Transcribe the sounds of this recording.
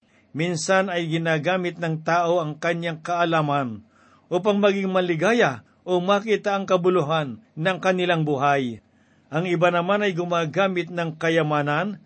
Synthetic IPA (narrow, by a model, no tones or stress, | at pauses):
minsanɐjɡɪnaːɡaːmɪt̪̚nɐŋt̪aːʔo̞ɐŋkɐɲjaŋkɐʔɐlaːman | ʔuːp̬aŋmɐɡɪŋmɐlɪɡaːja | ʔomakiːt̪aʔɐŋkɐbʊlʊɦanːɐŋkɐnɪlaŋbʊɦaj | ʔɐŋɪbanɐmanɐjɡʊmaːɡaːmɪt̪̚nɐŋkɐjɐmaːnan